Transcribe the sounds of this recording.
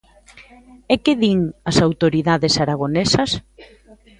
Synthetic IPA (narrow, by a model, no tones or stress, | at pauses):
ekɪðiŋɐsawt̪oɾiðaðesaɾaɣ̞onesɐs